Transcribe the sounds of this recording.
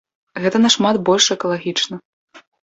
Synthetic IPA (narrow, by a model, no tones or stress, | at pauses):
ɣɛt̪ɐnɐʂmad̪bɔlʲʂɛkɐlˠaɣʲit͡ʂnɐ